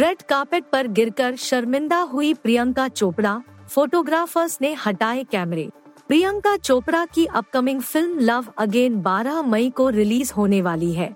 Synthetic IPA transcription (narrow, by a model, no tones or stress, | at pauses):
ɾɛɖkaːpɪʈ̚pɐɾɡɪɾkəɾʃɐɾmɪ̃nd̪aɦʊipɾijə̃ŋkat͡ʃoːpɽafoːʈoːɡɾaːfəɾznehɐʈaːekɛːmɾḛː | pɾijə̃ŋkat͡ʃoːpɽakiʔɐp̚kɐmɪ̃ŋɡfɪlmlɐʋɐɡeːnbaːɾamɐikoɾɪliːzɦoːneʋaːliɦɛː